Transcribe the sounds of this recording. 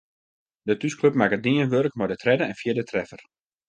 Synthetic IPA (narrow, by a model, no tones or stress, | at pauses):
dətyskløp̚makədiənʋørk̚mɔdətrɛdəɛnfjiədətʰrɛfər